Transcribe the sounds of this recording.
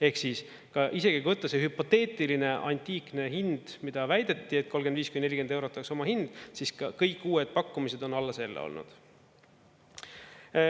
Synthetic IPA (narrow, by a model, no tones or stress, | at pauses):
e̞hksiːs | kɑʔise̞kikujvɤt̪ːˑɑsehypo̞t̪ːe̞ːt̪ʲˑiline̞ʔɑnʲt̪ʲiːkne̞ɦind̪̥mid̪̥ɑvæjd̪̥e̞t̪ːiet̪̚ko̞lːɡend̪viːskymennelʲːikend̪e̞wɾo̞t̪ːˑɑkso̞mɑhind̪̥siskɑkɤjkːuːwe̞d̪̥̚pɑkːumise̞d̪o̞nɑlːese̞lːḛo̰lnṵd̪̥